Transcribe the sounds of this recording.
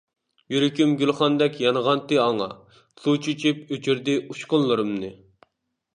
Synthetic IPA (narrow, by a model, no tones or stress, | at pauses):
jyɾykʲymɡʲylχɑnd̪ɛkʲjɑnəʁɑnt̪ɨɑŋɑ̰ | sut͡ʃʰyt͡ʃʰipøt͡ʃʰyɾd̪ɪuʃqʊnlˠɨɾɨmnɨ